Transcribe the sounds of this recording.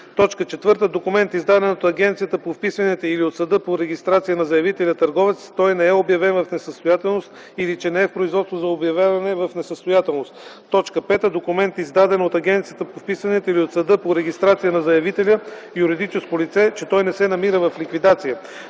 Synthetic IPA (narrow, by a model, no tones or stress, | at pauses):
t̪ɔt͡ʃkət͡ʃɛt̪vɤɾt̪əd̪okʊmɛnt̪izd̪ad̪ɛnot̪ɐɡʲɛnt̪sijət̪əpofpisvɐnɛt̪ɛiliot̪səd̪ɤpoɾɛɡʲist̪ɾat̪sijənɐzɐjɐvit̪ɛlʲət̪ɐɾɡɔvɛt̪st̪ɔjnɛɛobjɐvɛnvɐfnɛsəst̪ojat̪ɛlˠnost̪ | ilit͡ʃɛnɛɛfpɾoizvɔt̪st̪vozɐobjɐvʲjavɐnɛvɐfnɛsəst̪ojat̪ɛlˠnost̪t̪ːɔt͡ʃkəpɛt̪əd̪okʊmɛnt̪izd̪ad̪ɛnot̪ɐɡʲɛnt̪sijət̪əpofpisvɐnɛt̪əiliot̪sɐd̪ɤpoɾɛɡʲist̪ɾat̪sijənɐzɐjɐvit̪ɛlʲə | juɾid̪it͡ʃɛskolit̪sɛt͡ʃɛt̪ɔjnɛsɛnɐmiɾəvɐflikvid̪at̪sijə